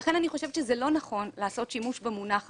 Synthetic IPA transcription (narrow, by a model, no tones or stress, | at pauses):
χe̞naniχo̞ʃevʃezelo̞naχo̞nlaːso̞t̪ʃimuʃbemunaχ